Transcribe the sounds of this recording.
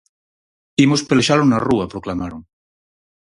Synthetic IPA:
imospeleʃalonaruapɾoklamaɾoŋ

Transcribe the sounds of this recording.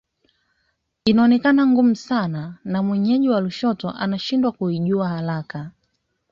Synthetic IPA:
inaɔnɛkanaŋɡum̩sananamwɛɲɛʄiwaluʃɔtɔʔa̰naʃindwakuiʄuahalaka

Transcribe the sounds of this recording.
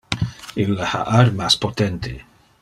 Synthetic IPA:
ilːaha̰ʔaɾmaspot̪ɛnt̪ʰe

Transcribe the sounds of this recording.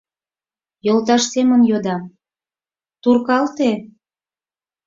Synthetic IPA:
jolt̪ɑʃsemənjod̪ɑ | t̪urkɑlt̪e

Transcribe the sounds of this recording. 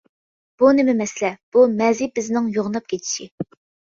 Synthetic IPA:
b̥unɪmɪmɛslɛb̥umɛzibɪznɪŋjoʁnɑp̚kʲʰet͡ʃ̪ʰi̥ʃi

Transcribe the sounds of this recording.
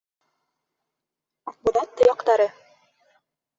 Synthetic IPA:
ɒq̚bŭðɑt̪ːɤ̆jɑqt̪ɑɾɤ

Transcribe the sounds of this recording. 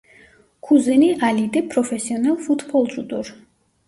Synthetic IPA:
kʰuzɛniʔalit̪ʼipʼɾɔfʰɛsiɔnɛlˠfut̪ʰpʰɔlˠt͡ʃ̪ʼut̪ʼuɾ

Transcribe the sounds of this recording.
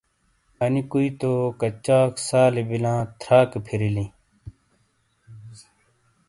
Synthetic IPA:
ɐnikuit̪okɐt͡ɕaːksaːlibilãːt̪ʰɾaːkepʰiɾilĩ

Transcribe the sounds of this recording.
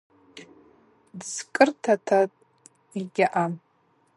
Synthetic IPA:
dz̥kʼɨrtʰatʰatʼ | iɡʲaʔam

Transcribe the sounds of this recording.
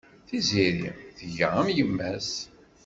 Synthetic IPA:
θiziɾḭmθəʝəʁæmjəmːæs

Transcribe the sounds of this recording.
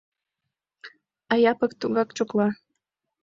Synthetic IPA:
ɑjɑpɤkt̪uɣɑkt͡ɕoklɑ

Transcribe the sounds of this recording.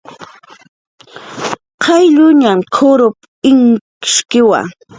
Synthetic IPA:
qʰɑjʎʊɲamkʰʊɾʊp | ɪŋ | ɪ̥ʃkɪwa̰

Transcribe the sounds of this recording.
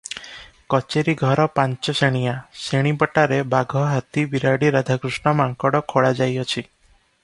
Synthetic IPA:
kɔt͡ʃeɾiɡʱɔɾɔpãɲt͡ʃɔseɽ̃ijaseɽ̃ibɔʈaɾebaɡʱɔɦat̪ibiɾaɽiɾad̪ʱakɾusɳɔmaŋkɔɽɔkʰoɽad͡ʒajɔt͡ʃʰi

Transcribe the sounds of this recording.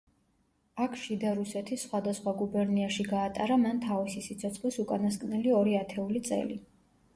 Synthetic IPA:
akʰʃid̪aɾusɛt̪ʰisːχwad̪asχwaɡubɛɾniaʃiɡaːt̪ʼaɾamant̪ʰavisisit̪sʰɔt̪sʰχlisukʼanaskʼnɛliɔɾiat̪ʰɛulit̪sʼɛ̰li

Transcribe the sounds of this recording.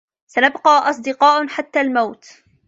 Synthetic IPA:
sanabqɑːʔɑsˤd̪ɨqɑːʔħat̪ːaːlmawt̪

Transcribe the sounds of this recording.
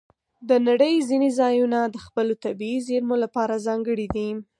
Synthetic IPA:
d̪ənaɽəjzinezɑjunad̪əxpəlot̪abiizeɾmolapɑɾazɑŋɡəɽid̪i

